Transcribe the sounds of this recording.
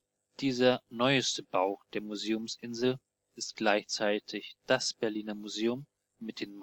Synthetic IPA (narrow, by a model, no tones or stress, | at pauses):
d̥iːzɐnɔʏəstəbaʊd̥eːɐmuzeːʊmsʔɪnzl̩ | ɪst̚ɡ̥laɪçt͡saɪtʰɪçd̥asb̥ɛɐliːnɐmuzeːʊmː | ɪt̚d̥eːnm